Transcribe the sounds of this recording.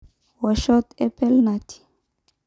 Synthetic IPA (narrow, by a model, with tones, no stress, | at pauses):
wa˨ʃɔ˦t̪ɛpɛ˦lnat̪ʰi̥